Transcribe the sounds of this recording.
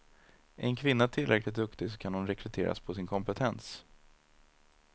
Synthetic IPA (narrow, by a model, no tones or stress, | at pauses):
ʔɛɛnkʰvɪnːat̪ʰɪlɾɛklɪt̪̚d̪ɵkt̪ɪsɔ̥kʰanhʊnɾɛkʰɾɛt̪ʰeːɾa̰spʰɔsɪnkʰɔmpɛt̪ʰɛns